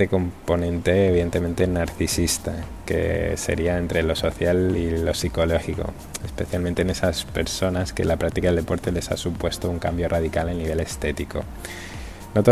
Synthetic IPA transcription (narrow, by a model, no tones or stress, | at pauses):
eko̞mpo̞nẽ̞nt̪e̞ːβiðe̞nt̪e̞mẽ̞nt̪enaɾθisist̪akḛse̞̰ɾiae̞nt̪ɾe̞lo̞so̞θjalilo̞siko̞lo̞xiko̞̰ | espeθjalment̪eːnesaspe̞ɾso̞naske̞̰lapɾak̚t̪ikaðeld̪epo̞ɾt̪e̞le̞sa̰supwe̞st̪ouŋka̰mbjo̞rað̞ikalaniβe̞le̞st̪et̪iko̞̰ | not̪o